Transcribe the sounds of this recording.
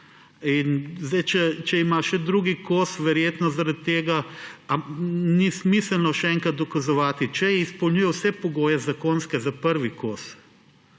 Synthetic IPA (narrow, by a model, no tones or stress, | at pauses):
inzd̪ajt͡ʃɛt͡ʃɛimaʃɛd̪ɾuːɡikosʋɛɾjeːt̪nɔzaɾat̪ːeːɡaanismisəlnɔʃɛɛŋkɾat̪̚d̪ɔkazɔʋaːt̪it͡ʃɛjɛispɔwlɲʲuːjɛwsɛpɔɡoːjɛzakonskɛzapəɾʋikoːs